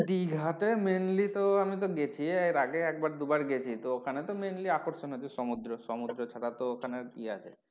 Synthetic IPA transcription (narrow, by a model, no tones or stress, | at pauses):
ɖ̪iɡʱat̪emenlit̪oamit̪̬oɡet͡ɕʰieɾaɡeɛk̚baɾd̪ubaɾɡet͡ɕʰit̪ookʰanet̪omenliakoɾʃonɦot͡ʃʰiʃɔmud̪ɾoʃɔmud̪ɾot͡ɕʰaʈat̪ookʰanekia̰t͡ɕʰḛ